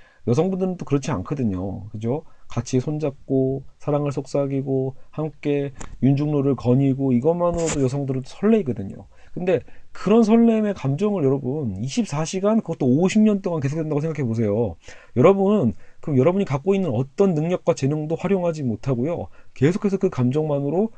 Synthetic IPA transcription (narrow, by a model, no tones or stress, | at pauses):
jʌsʰʌŋbundɯɾɯnt͈okɯɾʌt͡ɕʰia̰nkʰʌdɯɲo̰kɯd͡ʑokat͡ɕʰiesʰond͡ʑak̚k͈osʰaɾaŋɯɭsʰok̚s͈aɡiɡohamk͈e̞jund͡ʑuŋnoɾɯɭkʌɲiɡoiɡʌmanɯɾodojʌsʰʌŋdɯɾɯnt͈osʰʌɭːe̞iɡʌdɯɲo̰ | kɯnde̞kɯɾʌnsʰʌɭːeime̞kamd͡ʑʌŋɯɭjʌɾʌbuniɕʰip̚s͈aɕʰiɡankɯɡʌt͈ooɕʰimɲʌnt͈oŋanke̞s̬ʰok̚tdwedaɡos̬ʰeŋɡakʰe̞bos̬ʰe̞jojʌɾʌbunnkɯjʌɾʌbuɲikak͈oinːɯnʌt͈ʌnːɯŋɲʌk̚k͈wat͡ɕe̞noŋdoɸwaɾjoŋɦad͡ʑimotʰaɡojo̰ke̞sʰo̥kʰe̞s̬ʰʌkɯkamd͡ʑʌŋmanɯɾo